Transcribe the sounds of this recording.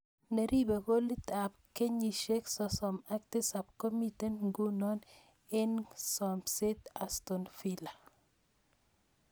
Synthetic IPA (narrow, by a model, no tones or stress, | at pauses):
neɾibekolitap̚keɲiʃeksɔsɔmaktisab̚kɔmitenŋɡunɔn | ɪnsɔmsetastɔnfila